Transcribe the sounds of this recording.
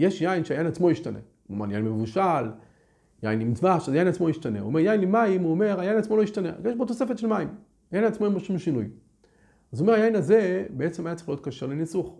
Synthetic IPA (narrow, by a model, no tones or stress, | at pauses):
je̞ʃjainʃeajainat͡smo̞jiʃtanḛko̰ma̰nja̰jinmemevuʃal | ja̰jinimzvaʃazjajinat͡smo̞jiʃt̪aneṵome̞ʁjainlemaimuome̞ʁajajinat͡smo̞lo̞jiʃtanea̰jeʃbot̪ose̞fet̪ʃelmaim | ajajinat͡smo̞emboʃumʃinuj | azuomeajajinaze̞beet͡semajat͡seʁeχlijot̪kaʃeʁlenisuχ